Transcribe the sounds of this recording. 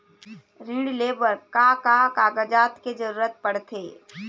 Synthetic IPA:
ɾɪ̃ɳɖleːbəɾkaːkaːkaːɡəd͡ʒaːt̪ked͡ʒɐɾuːɾət̪̚pəɽt̪ʰeː

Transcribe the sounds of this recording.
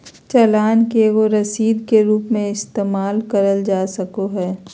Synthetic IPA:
t͡ʃɛlaːnkeʋoɾɐsiːd̪keɾuːpmẽɪst̪eːmaːlkəɾəld͡ʒaːsɐkoɦɛː

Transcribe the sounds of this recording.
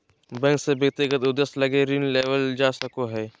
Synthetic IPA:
bɛ̃ːŋksebjəɡ̚t̪ɪɡət̪ʊd̪əslɐɡeɾinleːʋəld͡ʒaːsɐkoɦɛː

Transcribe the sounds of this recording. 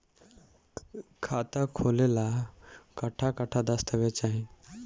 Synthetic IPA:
kʰat̪akʰolelakəʈʰakəʈʰad̪əst̪əʋet͡ɕaɦĩ

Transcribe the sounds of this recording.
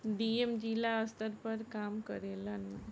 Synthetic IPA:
ɖiːemd͡ʒiːlaəst̪əɾpɐɾkaːmkɐɾeːlən

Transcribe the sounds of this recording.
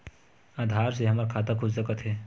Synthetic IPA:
aːd̪ʱaːɾseɦəmaɾkʰaːt̪akʰʊssəkət̪ʰɦɛ

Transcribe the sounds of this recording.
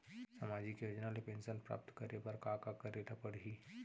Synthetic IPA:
samaːd͡ʒikejod͡ʒnalepẽːnʃənpɾa̰ːp̚t̪kəɾebəɾkaːkakɐɾeʈapəɽ̤i

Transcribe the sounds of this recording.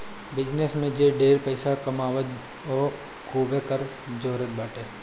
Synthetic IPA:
bɪd͡ʒnesmẽd͡ʒeːɖeːɾpəɪsakɐmaːwət̪̚ | ɔː | kuːbekəɾ | d͡ʒoːɾət̪̚baːʈeː

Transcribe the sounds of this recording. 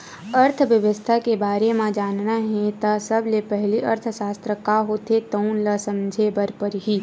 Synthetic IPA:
əɾt̪ʰʋjəʋəst̪ʰakebaːɾemãd͡ʒaːnnaɦɛ̃t̪asəblepɛɦliʔəɾt̪ʰʃaːst̪ɾəkaɦoːt̪et̪ənləsə̃md͡ʒʱebəɾpəɾɦiː

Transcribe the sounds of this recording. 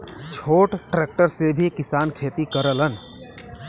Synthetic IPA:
t͡ʃʰoːʈʈɾek̚ʈəɾsebʱikɪsaːnkʰet̪ikəɾələn

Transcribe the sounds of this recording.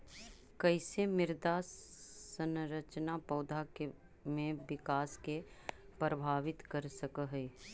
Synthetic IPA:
kəɪsemɪɾd̪asənɾət͡ʃnapɐːd̪ʱake | mẽʋɪkaːske | pɾəbʱaːʋɪt̪kəɾsəkəɦɛ

